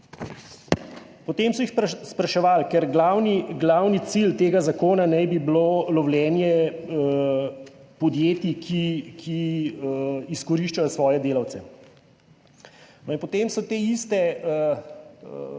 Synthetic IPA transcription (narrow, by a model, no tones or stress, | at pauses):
pɔt̪eːmsɔixspɾɐʃɛʋaːlkɛɾɡlawniɡlawnit̪silt̪eːɡazakoːnanɛjbiblolɔwljɛːnjɛ | pɔd̪jeːt̪ikʰikʰi | iskɔɾiːʃt͡ʃajɔsʋɔːjɛd̪eːlawt̪sɛ | nɔinpɔt̪eːmsɔt̪eːist̪ɛ